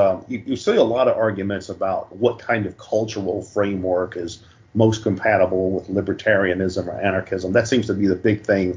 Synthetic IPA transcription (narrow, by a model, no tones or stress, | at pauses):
jɨjɨsiəlɔɾʌɑɹɡjɨmɨ̃ntsəbaʊt̚wʌt̚kʰãɪ̃ndʌv̥kʰʌlˠt͡ʃə˞l̩ˠfɹẽɪ̃mwɜ˞kɪz | moʊskʰə̃m̩pʰæɾəbl̩ˠwɪðlɪbə˞tʰɛɹiɨnɪzə̃mə̰˞ʔænɑɹkʰɪzə̃mðɨtsĩmz̥tʰəbiðɨbɪɡ̚θɪ̃ŋ